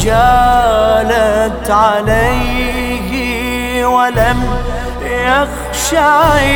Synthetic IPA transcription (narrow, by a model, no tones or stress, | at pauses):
d͡ʒa | lat̪ʕalaj | ɦ | walam | jjaɣ | ʃa